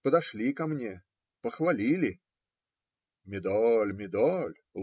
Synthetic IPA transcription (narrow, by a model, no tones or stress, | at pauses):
pəd̪ɐʂlʲikɐmnʲe | pəxvalʲilʲɪ | mʲɪd̪ɔlʲmʲɪd̪ɔlʲ